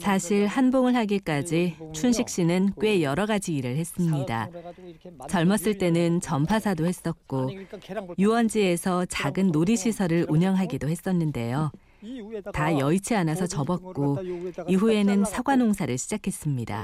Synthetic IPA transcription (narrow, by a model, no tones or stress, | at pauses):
sʰaɕʰiɭhanboŋɯɭɦaɡik͈ad͡ʑit͡ɕʰunɕʰik̚ɕ͈inɯnk͈we̞jʌɾʌɡad͡ʑiːɾɯɭhe̞s͈ɯmɲida̰ | t͡ɕʌɭmʌs͈ɯɭt͈e̞nɯnt͡ɕʌmpʰasʰadohe̞s͈ʌt̚k͈o | juwʌnd͡ʑie̞sʰʌt͡ɕaɡɯnːoɾiɕʰisʰʌɾɯɾuɲʌŋɦaɡidohe̞s͈ʌnːɯnde̞̰jo | tajʌit͡ɕʰianasʰʌt͡ɕʌbʌt̚k͈oiɦue̞nɯnsʰaɡwanoŋsʰaɾɯɭɕʰid͡ʑakʰe̞s͈ɯmɲida̰